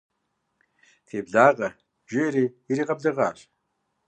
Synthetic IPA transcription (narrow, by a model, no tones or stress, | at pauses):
tʰeːbɮaːʁɐ | ʒɪɾiː | iɾiːʁɐbɮɨʁaːɕ